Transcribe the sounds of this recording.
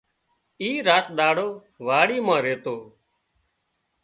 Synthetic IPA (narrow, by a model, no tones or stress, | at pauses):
iːɾaːt̪̚ɗ̪aːɽoː | ʋaːɽiːmãːɾeːt̪oː